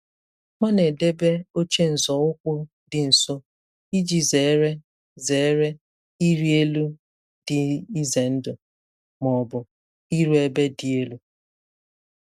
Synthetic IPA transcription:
mʷa˦ne˨de˦be˦o˦t͡ʃe˦n̩˨zɔ˨ʊ˦kʷʊ˦ | dɪ˨n̩˨so˦ | i˦d͡ʒi˨ze˨˦ɾe˦ | ze˨˦ɾe˦ | i˦ɾi˦e˦lu˦ | dɪ˨i˦ze˨n̩˦dʊ˨ | mɔ˨bʊ˨ | i˦ɾu˦e˦be˦dɪ˨e˦lu˦

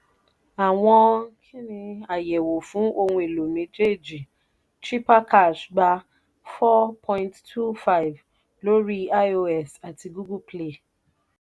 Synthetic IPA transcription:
a˨w̃ɔ̃˧kʰĩ˦nĩ˧a˨jɛ˨wo˨fũ˨˦ʔo˧hũ˧e˨lo˨mĩ˨˦d͡ʒe˦˨d͡ʒi˨ | tɾi˦pa˦ka˦˨ʃɡ͡ba˧ | fɔ˦pʰɔ̃˦jĩ˦nttʰu˦fa˦i˨v | lo˦ɾi˦a˦o˧ɛ˦˨sa˨ti˧ɡu˦ɡu˦ple˦˨

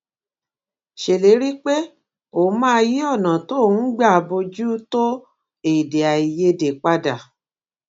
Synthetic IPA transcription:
ʃe˨le˨˦ɾi˦k͡pe˦ | o˨˦mã˦ji˦ɔ˦˨nã˨to˦˨ũ˦ɡ͡ba˦˨˧bo˧d͡ʒu˦to˦ | e˨de˨a˨i˨je˧de˨k͡pa˧da˨

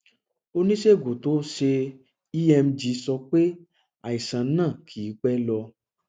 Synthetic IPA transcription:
o˧nĩ˦ʃe˦˨ɡo˨to˨˦ʃe˧ | i˦ɛ˧m̩˦d͡ʒi˧˦sɔ˧k͡pe˦ | a˨i˨sã˨˦nãː˦˨kʰi˨˦k͡pɛ˦lɔ˧

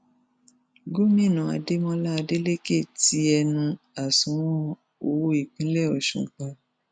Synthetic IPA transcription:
ɡo˦mĩ˦˨nũ˨a̰˨de˦mɔ̃˧la˦a˧de˦le˦ke˦˨ti˧˦ɛ˧nũ˧ | a˨sũ˨˦wɔ̃˦˧ | o˧˨wo˦i˦˨k͡pĩ˨˦lɛ˦˨ɔ˨ʃṵ̃˨kã˧

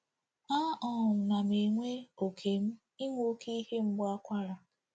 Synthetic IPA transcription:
a˦ʔɔ˨m̩˨na˨me˨ŋʷe˦o˨kʰe˨m̩˦ | i˦ŋʷo˦kʰe˦i˦he˦m̩˦ɡ͡ba˦kʷa˦ɾa˨

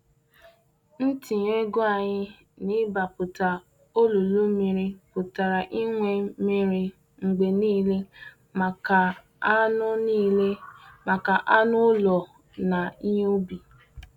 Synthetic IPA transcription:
n̩˦ti˨ɲe˦ɡo˦a˨ɲɪ˦ | nɪ˦ba˨pʊ˨ta˨ | o˦lo˨lo˦mi˨ɾi˦pʊ˨ta˨ɾa˨ʔi˦ŋʷe˨mi˦ɾi˨ | ŋ͡m̩˨ɡ͡be˨niː˦le˦ | ma˨ka˨ | a˦nʊ˦ni˦˨le˦ma˨ka˨ʔa˦nʊ˦lɔ˨ | na˨i˦ɲe˦o˦bi˨

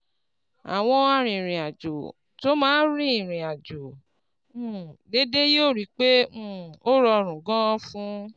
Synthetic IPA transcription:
a̰˨w̃ɔ̃˧a˧ɾ̃ĩ˨ɾ̃ĩ˨a˨d͡ʒo˨ | to˨˦mãː˦ɾĩ˦i˦˨ɾ̃ĩ˨a˨d͡ʒõ˨˦˨ | de˦de˦joː˦˨ɾi˨˦k͡pẽ˦˨o˦ɾɔ˧ɾ̃ũ˨ɡɔ̃˦fũ˦

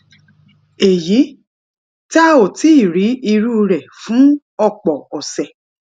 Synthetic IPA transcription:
e˨ji˨˦ | ta˦o˨ti˨˦i˦˨ɾi˨˦i˧ɾu˦˧ɾɛ˨fũ˨˦ | ɔ˦˨k͡pɔ˨ɔ˨sɛ˨

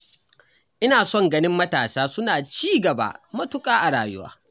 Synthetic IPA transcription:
ʔɪ˦naː˨sɔ˦ŋɡɐ˦nɪ˦mːɐ˦taː˨saː˦sʊ˦naː˨t͡ʃiː˦ɡɐ˨ba̰˦˨mɐ˦tʊ˦kʼaː˦ʔa˨ɽaː˨jʊ̰˦wa̰ː˦

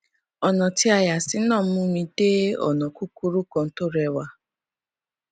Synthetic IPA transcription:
ɔ˨nɔ˨tɪ˦a˨ja˨sɪ˨˦nɔ˦˨m̩˦mʊ˦mi˦deː˦ɔ̰˨nɔ˨ku˦ku˦ɾu˦kɔ˨n̩˦to˦ɾɛ˨wa˦

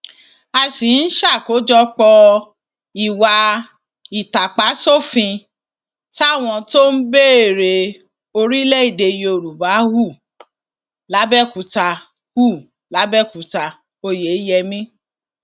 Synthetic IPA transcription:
a˧si˨n̩˦ʃa˦˨ko˨˦d͡ʒɔ˦k͡pɔ˧ | i˨wa˧ | i˨ta˨k͡pa˨˦so˦˨fĩ˧ | ta˦˨w̃ɔ̃˧to˦n̩˦be˦e˨ɾe˧ | o˧ɾi˦lɛ˦i˦˨de˧je˧o˨ɾu˨ba˨˦hu˦˨ | la˨˦bɛ˦˨ku˨˧ta˧ | hu˦˨ | la˨˦bɛ˦˨ku˨˦ta˧ | o˧je˨˦jɛ˧mĩ˦

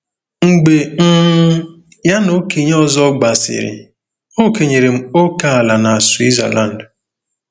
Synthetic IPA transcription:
ŋ͡m̩˨ɡ͡be˨ŋ̩˦ | ja˦no˨˦ki˨ɲ˦ɔ˦zɔ˦ɡ͡ba˨sɪ̰˨ɾɪ̰˨ | o˦ke˨ɲe˨ɾe˨m̩˦o˦ka˦a˨la˨na˨swi˦za̰˨lʔa˦˨n̩˨d

